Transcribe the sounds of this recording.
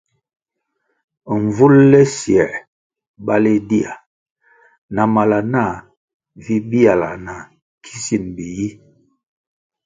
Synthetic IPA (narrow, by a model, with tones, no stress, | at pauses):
ɱ˨vu˦llɛ˦sjɛ˨ʔ | ba˦le˦di˦a˨ | na˨ma˨la˨na˦˨ | vi˦bi˦a˨la̰˨na˨ | kʰi˦si˦˨nbi˨ji˦